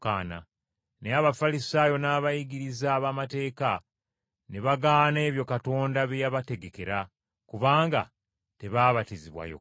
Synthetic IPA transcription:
kaːna̰ | neaβafalisaːjo̞naːβajiɡiɾizaːβamate̞ːka | neβaɡaːne̞ːβjo̞kato̞ːndaβejaβate̞ɡe̞ke̞ɾa | kuβaːŋɡa | te̞βaːβatiziβwa̰jo̰

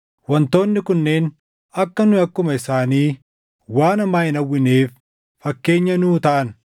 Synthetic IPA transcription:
wɐnt̪o̞ːnːɪkʊnːe̞ːn | ɐkːɐnʊɐkːʊmɐɪsaːniː | waːnɐmaːjɪnɐwːɪneːfː | ɐkːe̞ːɲːɐnuːt̪ɐʔɐn

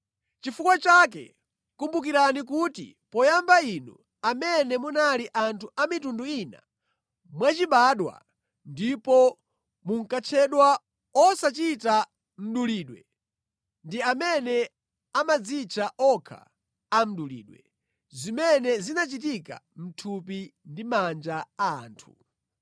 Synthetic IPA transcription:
t͡ʃifukwat͡ʃak̬ɛ̰ | kumbuk̬iɾanik̬utḭ | pɔjambainṵ | amɛnɛmunaliʔantʰuʔamitunduina̰ | mwat͡ʃiɓaɗwa̰ | ndipɔ | muŋ̩kat͡ʃʰɛɗwa | ɔsat͡ʃita | m̩ɗuliːɗwɛ | ndiamɛnɛ | amad͡zit͡ʃʰaʔɔkʰa̰ | am̩ɗulḭːɗwɛ̰ | zimɛnɛzinat͡ʃit̬ika̰m̩tʰup̬indimand͡ʒaa̰ːntʰu

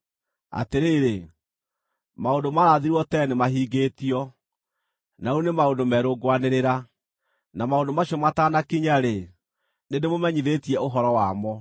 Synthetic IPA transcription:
a̰teɾeːɾe | maondomaɾaðiɾwɔtɛnemaɦiːɡetiɔ | naunemaondomɛɾoɡwaneɾeɾa | namaondomaɕiɔmataːnakiɲaɾe | nedemomɛɲiðetiɛoɦɔɾɔwamɔ

